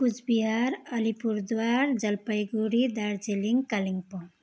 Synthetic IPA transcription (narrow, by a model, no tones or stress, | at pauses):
pud͡ʒbiɦaɾəlipuɾd̪waɾd͡ʒəlpəjɡuɽid̪aɾd͡ʒeliŋkaliŋpɔ